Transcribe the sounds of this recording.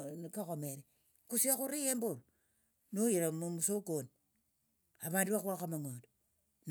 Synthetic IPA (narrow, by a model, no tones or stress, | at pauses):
kakomeɾi | kusiakuɾijemboɾ | nojiɾamomusokon | aβaduakuakamaŋod | n